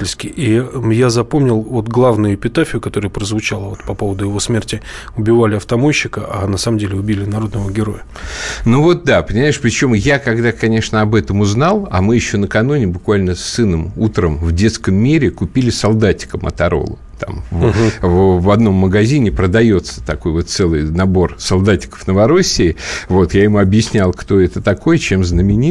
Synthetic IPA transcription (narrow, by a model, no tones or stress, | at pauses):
ɪlʲskʲɪijazɐpo̞mnʲɪlˠvo̞t̪ɡlˠavnʊjʊɪpʲɪt̪afʲɪjʊkɐt̪o̞ɾɨjəpɾəzvʊt͡ɕalˠəvo̞t̪pɐpo̞vəd̪ʊjɪvo̞smʲertʲɪ | ʊbʲɪvalʲɪɐft̪ɐmoɕːɪkəʔanɐsaməmdʲelʲɪʊbʲilʲɪnɐɾo̞d̪nəvəɡʲɪɾo̞̰jə | nuvot̪̚d̪apənʲɪmaɪʂpɾʲɪt͡ɕo̞mjakɐɡd̪akɐnʲe̞ʂnəɐbɛt̪əmʊznalˠɐ̰mɨjɪɕːo̞nəkɐnunʲɪbʊkvalʲnəsːɨnəmut̪ɾəmvdʲe̞t̪skəmːʲiɾʲɪkʊpʲilʲɪsɐlˠd̪atʲɪ̥kəmɐ̰t̪ɐɾo̰lˠə̰ | t̪a̰mvvvɐd̪no̞mːəɡɐzʲinʲɪpɾəd̪ɐjo̞t̪sə̥t̪ɐko̞jvo̞t̪t̪sɛlˠɨjnɐbo̞rsɐlˠd̪atʲɪ̥kə̥fnəvɐɾo̞sʲːɪːvo̞t̪jaɪmuɐbjɪsʲnʲalˠkt̪o̞ɛt̪ət̪ɐko̞jt͡ɕemznəmʲɪnʲi